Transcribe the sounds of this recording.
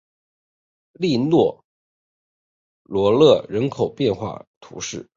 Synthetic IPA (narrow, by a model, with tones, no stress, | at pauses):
li˥˧nwɔ˥˩ | lwɔ˧˥lɤ˥˩ɻə˧˥nkʰo˨˩ʊpjɛ˥˧nxwa̰˥˩t̪ʰṵ˧˥ʂɻ̩˥˩